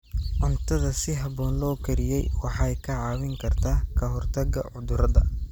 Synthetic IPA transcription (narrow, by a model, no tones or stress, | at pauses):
ʕʊnt̪ʰɐðɐsɪɦɐβɔːnlɔːkʰɐɾɪjɛjwɑħɑjkʰɐʕɑːwɪŋkʰɐrt̪ʰaːkʰɐɦɔrt̪ʰɐɡɐ̰ʕʊd̪ʊɾɐðɐ